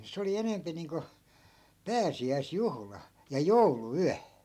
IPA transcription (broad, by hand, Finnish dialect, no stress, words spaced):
se oli enempi niːŋko pæːsiæisjuhlɑ jɑ jouluyæ